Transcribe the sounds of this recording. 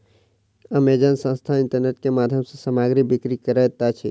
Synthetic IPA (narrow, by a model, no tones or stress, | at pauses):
əmeːd͡ʒansə̃nst̪ʰaɪ̃ɳʈəɾneːʈ̚kemaːd̪ʱjəmsesəmaːɡɾibɪkɾikəɾət̪at͡ʃʰi